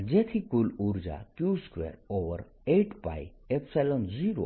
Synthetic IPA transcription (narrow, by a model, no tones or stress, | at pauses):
d͡ʑet̪ʰikuluɾd͡za̰kjuskʋḛɾoʋəɾ | eʈpa̰j | epsɛlond͡ziɾo̰